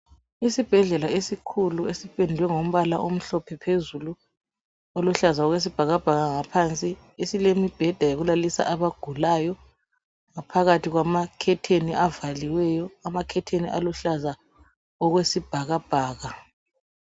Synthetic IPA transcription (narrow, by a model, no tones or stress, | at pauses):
isib̥ʱɛɮɛlaesikʰuluesipʼendʱwɛŋom̩βalaʔom̩ɬɔpʰɛpʰezulu | oluɬazaɔɣwes̬ib̥ʱaɣab̥ʱaɣaŋapʰant͡sʼi | esilemib̥ʱɛd̥ʱajeɣulalisa̰ʔaβaɡ̥ʱulajɔ | ŋapʰaɣatiɣwamakʰɛtʰeniʔavaliwɛjɔamakʰɛtʰenḭʔaluɬaza | ɔɣwesib̥ʱaɣab̥ʱaːɣa